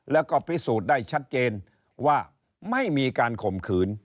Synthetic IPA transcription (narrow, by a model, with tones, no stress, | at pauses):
lɛ˦˥wkɔː˥˩pʰi˦˥suː˨˩t̪̚daː˥˩jt͡ɕʰa˦˥t̪̚t͡ɕeː˧n | waː˥˩ | ma˥˩jmiː˧kaː˧nkʰo˨˩mkʰɯː˩˦n